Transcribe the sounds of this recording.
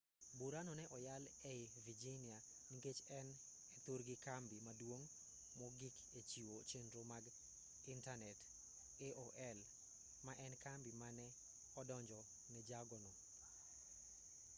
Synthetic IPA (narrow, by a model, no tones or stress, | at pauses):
buɾanɔnɛʔɔjal | ɛɪvid͡ʒinia | niŋɡet͡ʃɛn | ɛt̪oɾɡɪkambimadwoŋ | mɔɡɪk | et͡ʃiwot͡ʃendɾomaɡ | ɪntanɛt | eʔoʔɛl | maʔɛnkambimanɛ | ɔdɔɲd͡ʒɔ | nɛd͡ʒaɡɔnɔ